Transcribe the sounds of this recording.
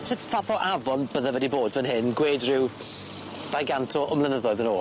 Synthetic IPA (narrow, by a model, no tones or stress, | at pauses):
sɪtθaθɔʔavɔnbəðəvɛdiboːdvənɦɪnɡweːdrɪw | d̥ajɡantʰɔʔɔmlˠənəðɔɨðənoː